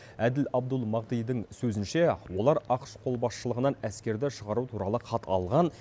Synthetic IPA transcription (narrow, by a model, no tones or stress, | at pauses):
æd̪ɪlɑb̚d̪əlˠmɑʁd̪ijd̪əŋsɵzɪnʃewo̞lˠɑɾɑqə̥ʃqʰo̞lˠbɑsʃəlˠəʁənɑnæskʲe̞ɾd̪ɪʃəʁɑɾut̪ʰuɾɑlˠəqʰɑt̪ʰɑlˠʁɑn